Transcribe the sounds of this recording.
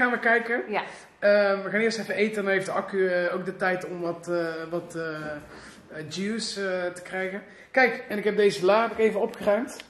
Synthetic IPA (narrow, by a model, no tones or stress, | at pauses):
aːnʋəkɛjkə | əʋəɣaːnɪːɹstɛfəejtəndɑnɦejfdəɑkyowk̚dətɛjtɔmʋɑtːʋɑtː | d͡ʒistə̥krɛjɣən | kɛjkɛnɪkɦɛb̚dejzəlaːɛpɪkejvənɔpxərœɥmt